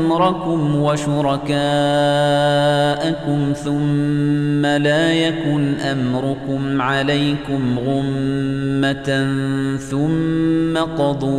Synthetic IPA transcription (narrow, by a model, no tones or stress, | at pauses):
mɾˤɑkʊmwaʃʊɾˤɑkaː | ʔakʊmθʊmː | alaːjakʊnʔamɾʊkʊmʕalajkʊmɣʊmː | at̪ | θʊmːaqɑd̪ˤuː